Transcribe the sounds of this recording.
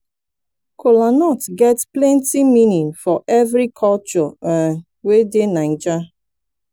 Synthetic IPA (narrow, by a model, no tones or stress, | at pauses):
kʰolanɔtɡɛtplɛ̃ntiminĩnfɔʔɛvɾikʰɔlt͡ʃɔ | wedenan̩d͡ʒa